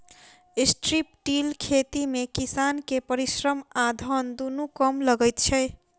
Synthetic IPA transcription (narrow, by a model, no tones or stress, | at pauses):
isʈɾipʈilkʰet̪imekisankepəɾisɾəmad̪ʱənd̪unukɔmləɡəjt̪t͡ʃʰɛ